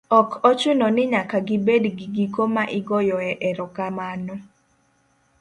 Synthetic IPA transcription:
ɔkʰɔt͡ʃʊnɔnɪɲakaɡɪbedɡiɡikomaʔɪɡɔjɔɛʔɛɾɔkamanɔ

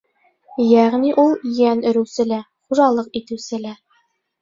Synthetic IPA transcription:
jæʁniʔulˠjænɵ̆ɾʉ̆sɘ̆læ | χuʒɑlˠɤqit̪ɘ̆wsɘ̆læ

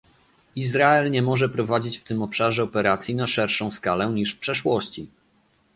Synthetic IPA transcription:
izɾaɛlɲɛmɔʐɛpɾɔvad͡ʑit͡ɕft̪ɘmɔpʂaʐɛɔpɛɾat̪sʲjinaʂɛɾʂɔ̃w̃skalɛɲiʂfpʂɛʂwɔɕt͡ɕi

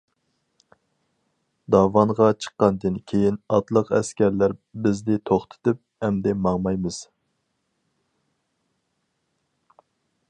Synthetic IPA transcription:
d̪ɑvɑnʁɑt͡ʃʰə̥qːɑnd̪ɨnkʲʰejinɑt̪lˠəqɛskʲæɾlæɾbɪzd̪ɪt̪ʰoχt̪ʰɨ̥t̪ɨp̚hɛmd̪ɛmɑŋmɑjmɨz̥

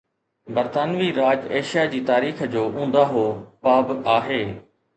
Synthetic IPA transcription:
bɐɾt̪aːnʋiɾaːd͡ʑeːʃijad͡ʑiːt̪aːɾiːxd͡ʑoːʔũːn̆d̪aɦoːpaːbaːɦeː

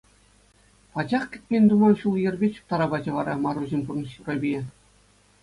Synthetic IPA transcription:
pɑd͡ʑɑχkʲɘ̆t̪̚ʲpʲenʲd̪umɑnɕulˠjɘ̆rʲbʲet͡ɕu̥p̚t̪ɑɾɑbɑd͡ʑɤ̆ʋɑɾɑmɑɾuʑemʲpurnɕurobʲie

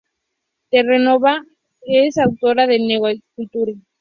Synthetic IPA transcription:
t̪erenoβa | esawt̪oɾaðeneɣakut̪uɾe

